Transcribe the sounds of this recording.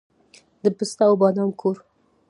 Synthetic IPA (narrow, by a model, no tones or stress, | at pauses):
d̪əpəst̪awbɑnɑmkʰoɾ